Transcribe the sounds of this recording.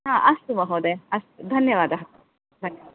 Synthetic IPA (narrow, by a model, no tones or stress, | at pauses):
ɦãːʔɐst̪umɐɦoːd̪eɐst̪ud̪ʱɐnjɐʋaːd̪aɦɐt̪u | d̪ʱɐnjɐa